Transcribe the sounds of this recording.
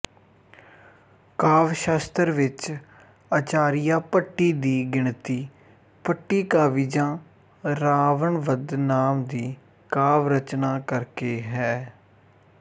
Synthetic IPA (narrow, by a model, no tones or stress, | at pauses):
kaːʋʃaːst̪əɾʋɪt͡ʃ | ət͡ʃaːɾɪjaːpəʈːiːd̪iːɡɪɳt̪iː | pəʈːiːkaːʋiːd͡ʒãː | ɾaːʋəɳʋəd̪naːmd̪iː | kaːʋɾət͡ʃnaːkəɾkeːɦɛː